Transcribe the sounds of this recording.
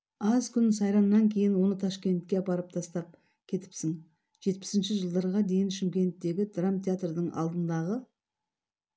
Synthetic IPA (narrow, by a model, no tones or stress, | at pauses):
ɑzkʲʰʏnsɑjɾɑnːɑŋkʲʰe̞jɪnwo̞nət̪ʰɑʃkʲe̞nt̪̚kʲe̞pɑɾəp̚t̪ʰɑst̪ɑp̚ | kʲʰe̞t̪ɪ̥psɪŋ | ʒ̥e̞t̪̚pɪ̥sɪnʃɪʒəlˠd̪ɑɾʁɑd̪e̞jɪnʃɪmkʲe̞nt̪ːe̞ɡʲɪd̪ramt̪ʰʲeat̪rd̪əɴʔɑ̰lˠd̪ənd̪ɑʁə